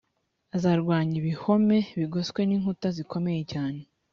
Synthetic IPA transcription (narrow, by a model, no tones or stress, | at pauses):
azaɾɡwaːɲiβiho̞me̞βiɡo̞skwe̞niːŋhutaziko̞me̞je̞caːne̞